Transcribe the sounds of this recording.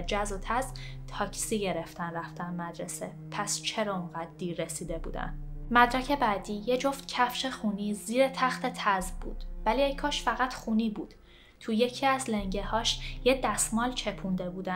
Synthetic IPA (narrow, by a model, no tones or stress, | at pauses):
d͡ʒæzot̪ʰæzt̪ʰɒːcʰsiːɟeɾeft̪ænræft̪ænmæd̪ɾese | pʰæst͡ʃʰe̞ɾɒuŋɢæd̪d̪iːɾːesiːd̪e̞bṵːd̪æ̰nmæd̪ɾæcʰe̞bæd̪iːje̞d͡ʒo̞ft̪cʰæfʃexuniːziːɾet̪ʰæxt̪ʰe̞t̪ʰæzbbṵːd̪̥væliekʰɒːʃfæɣæt̪xuːniːbuːd̪̥ | t̪ʰuje̞cʰiæzleŋɟehɒːʃjed̪æsmɒːlt͡ʃʰe̞pʰund̪e̞buːd̪æ